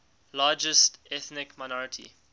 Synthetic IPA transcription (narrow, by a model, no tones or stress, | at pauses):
laːd͡ʒəstɛθnɪkmaɪnɔɹətʰḭ